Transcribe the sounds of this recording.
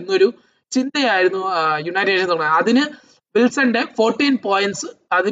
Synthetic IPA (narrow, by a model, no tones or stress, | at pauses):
nːo̞ɾu | t͡ɕind̪ɐjaːjiɾunːujuɳɐjeɾient̪oɐɐðinɨ | ʋilsɐɳɖe̞fo̞ːrʈːiːnpo̞ːjinʈsɨɐði